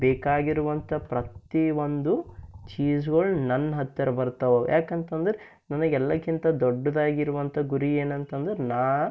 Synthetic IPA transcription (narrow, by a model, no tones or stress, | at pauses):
bɛːkaːɡiɾuʋɐnt̪ʰɐpɾɐt̪iʋond̪ut͡ʃiːsɡɐɭnɐnːɦɐt̪ːɐɾɐbɐɾt̪ɐʋojʔaːkent̪ɐnd̪ɐɾe | nɐnːɐɡɛlːɐkint̪ɐd̪ɔɖːɐd̪aːɡiɾuʋɐnt̪ʰɐɡuɾieːnɐnt̪ɐnd̪ɐɾenaː